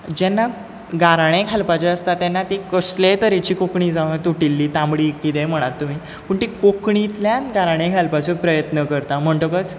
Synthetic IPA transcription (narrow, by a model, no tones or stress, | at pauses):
d͡ʑɛnːa | ɡaɾaɳ̃ẽkʰalpat͡ɕeəst̪at̪ɛnːat̪ekəslet̪əɾet͡ɕiːkokɳid͡zaʋat̪uʈilːiːt̪ãmɽiːkit̪ẽm̤əɽ̃at̪ːum̤iː | puɳʈ̪ikokɳit̪ljãnɡaɾaɽ̃ẽkʰalpat͡sepɾəjət̪nəkəɾt̪am̤əɳʈəkət͡s